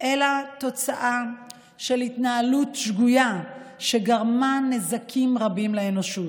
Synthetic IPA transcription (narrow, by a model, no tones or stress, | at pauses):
ʔe̞lat̪o̞t͡saʔa | ʃe̞litnaalutʃɡujaʃe̞ɡaʁmane̞zakʰimʁabimleeno̞ʃut